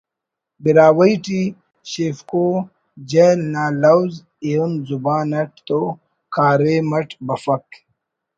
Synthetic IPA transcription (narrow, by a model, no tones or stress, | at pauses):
biɾaːwɐjʈi | ɕefkoː | d͡ʑenaːlɐwz | eunzubaːnɐʈ̚t̪o | kʰaːɾemɐʈbɐfɐk